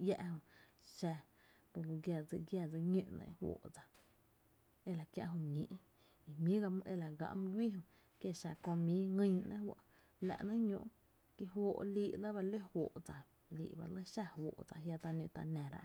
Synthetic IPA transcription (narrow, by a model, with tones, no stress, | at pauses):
ja˧ʔhõ˧˨ | ʃa˧ | po˧˨lo˧ɡja˧˨d͡zɨ˧ɡja˧˨d͡zə˧ɲũ˧ʔnḛ̃˧˦hwo̰ː˨ʔd͡za˨ | e˧la˨kja˧ʔɦõ˧ɲĩ˨ʔ | i˨mĩ˦ɡa˧m̃˧ʔe˧la˨ɡã̰˧˨mɨ̃˦ɡʷi˦ɦõ˧ | kje˦ʃa˧˨kõ˧mĩ˦ŋĩ˧ɲnã˦wa˧˨ | la̰˨ʔnã˦ɲõ˧ʔ | ki˧ɦwoː˧ʔliː˧˦ʔla˦ba˧le˦hwoː˨ʔd͡za˨ | lḭː˨ʔba̰˧lə˦ʃa˦˧hwo̰ː˨ʔd͡za˧ɦja˧t̪a˧nũ˧˨t̪a˧nã˨ɾa̰˧ʔ